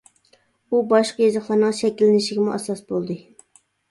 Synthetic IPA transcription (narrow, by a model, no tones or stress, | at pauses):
ubɑʃqɑjezɑχlˠɑɾnɨŋʃɛkʲilːɪnɪʃiɡʲɪmuʔɑsɑsbolˠd̪ɨ